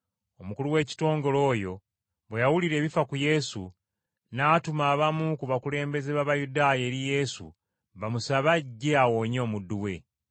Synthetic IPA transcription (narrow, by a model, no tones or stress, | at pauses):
o̞mukuluwe̞ːci̥to̞ːŋɡo̞lo̞ːjo̞ | βwejawuliɾe̞ːβifakuje̞sṵ | naːtumaːβamukuβakule̞ːmbe̞ze̞βaβajudaːje̞ːɾije̞sṵ | βamusaβaɟːe̞awo̞ːɲo̞ːmudːuwe̞